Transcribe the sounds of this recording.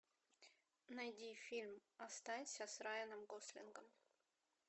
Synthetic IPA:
nɐjdʲifʲilʲmɐst̪anʲsʲəsrajɪnɨmɡoslʲɪ̰nɡəm

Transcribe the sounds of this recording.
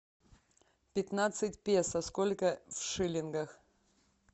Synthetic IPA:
pʲɪt̪nat̪sɨtʲpʲesɐskolʲkəfʂɨlʲɪnɡəx

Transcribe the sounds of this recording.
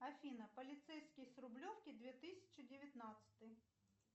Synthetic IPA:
ɐfʲinɐpɔlʲit̪sɛjsʲkʲijsɾʊblʲɔwkʲɪd̪ʲʋʲit̪ɪsʲɐ̥t͡ʃɪdʲɪʋʲjɐt̪nɑt̪sʲɐ̥t̪ɪj

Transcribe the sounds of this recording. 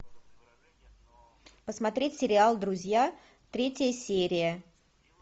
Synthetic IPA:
pəsmɐt̪ɾʲetʲsʲɪɾʲɪalˠd̪ɾʊzʲja | t̪ɾʲetʲɪjəsʲeɾʲɪjə

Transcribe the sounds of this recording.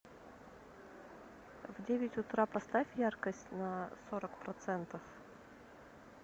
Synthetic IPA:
vdʲevʲɪtʲʊt̪ɾapɐst̪afʲjarkəsʲtʲnəsoɾəkpɾɐt̪sɛnt̪əf

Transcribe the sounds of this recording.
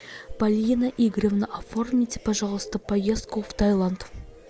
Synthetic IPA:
b̥alʲinaʔiɡɾʲevnəʔaformʲit̪ʲɪpaʒɑʁˠəst̪əpɐjesd̪kft̪ʰajlˠant̪

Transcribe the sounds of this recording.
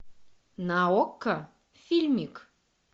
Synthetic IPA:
naokːə | fʲilʲmʲik

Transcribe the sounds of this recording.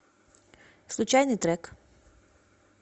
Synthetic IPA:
slˠut͡ʃajnit̪ɾɛk

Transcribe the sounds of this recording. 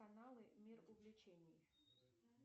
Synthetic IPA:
ɐnalˠɨmʲirʊvʲlʲɪt͡ɕenʲɪj

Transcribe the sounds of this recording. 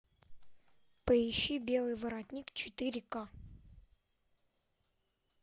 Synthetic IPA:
pəiɕːibʲelˠɨjvəɾat̪ʲnʲikt͡ɕɪt̪ɨɾʲɪka

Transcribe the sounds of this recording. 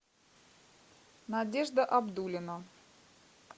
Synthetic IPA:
nɐdʲeʐd̪əʔɐbd̪ulʲɪnə

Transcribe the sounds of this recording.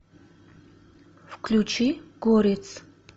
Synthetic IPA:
fkʰlʲut͡ʃʰiɡ̥oɾet͡sʰ

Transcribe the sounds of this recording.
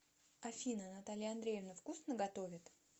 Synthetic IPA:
ɐfʲinənɐt̪alʲɪjəɐnd̪ɾʲejɪvnəfkusnəɡɐt̪o̞vʲɪt̪

